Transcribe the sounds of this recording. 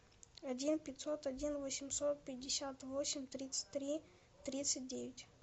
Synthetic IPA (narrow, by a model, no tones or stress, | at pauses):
ɐdʲinpʲɪt̪ʲsot̪ɐdʲinvosʲɪmsot̪̚pʲɪdʲɪsʲat̪vosʲɪmʲt̪ɾʲit̪sɨ̥t̚ʲt̪ɾʲi | t̪ɾʲit̪sɨt̚ʲdʲevʲɪtʲ